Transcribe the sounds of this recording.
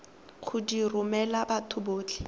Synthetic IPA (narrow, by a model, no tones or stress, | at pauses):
χʰʊdirʊmɛlabatʰʊboːt͡ɬʰʼɪ̥